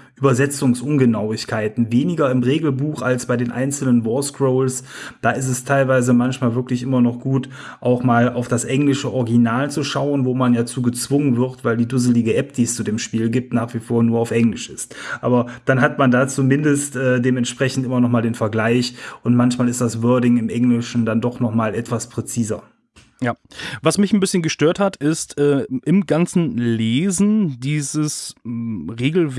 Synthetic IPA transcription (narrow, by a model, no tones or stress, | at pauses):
ʔyːbɐzɛt͡sʊŋsʔʊnɡənaʊɪçkʰaɪtn̩veːnɪɡɐɪmʁeːɡl̩buːxalsb̥aɪdeːnʔa̰ɪnt͡sl̩nənvɔskʁ̥oʊlsd̥aːɪs̬tɛstʰaɪlvaɪzəmançmaːlvɪɐklɪçʔɪmɐnɔχɡ̥uːt | ʔaʊxmaːlaʊfd̥asʔɛŋlɪʃəʔɔʁɡinaːlt͡suʃaʊənvoːmanjaːt͡suːɡət͡sv̥ʊŋənvɪɐtv̥aɪldiːdʊzəlɪɡəʔɛp̚d̥iːst͡sudeːmʃpiːlɡiːp̚tnaːχv̥ifoːɐnuːɐaʊfʔɛŋlɪʃɪstʔa̰ːbɐd̥anɦatmandaːt͡sumɪndəstʔɛːdeːmɛntʃpʁ̥ɛçn̩tʔɪmɐnɔχmaːldeːnfɛɐɡlaɪçʔʊntmançmaːlɪstd̥asv̥œɐdɪŋɪmʔɛŋlɪʃn̩dandɔχnɔχmaːlʔɛtv̥aspʁ̥ɛt͡siːzɐ̰ | jaːvasmɪçn̩bɪsçənɡəʃtøːɐthatʰɪstʔɛːʔɪmɡant͡sn̩leːzn̩diːzəs | ʁeːɡl̩v